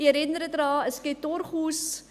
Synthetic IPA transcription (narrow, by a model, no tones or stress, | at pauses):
iəɾɛnd̪rədrɑːəskɛtɔrχus